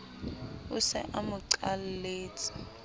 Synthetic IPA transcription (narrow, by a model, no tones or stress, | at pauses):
usɛ̰ʔamuǀalleːt͡sʰʼi̥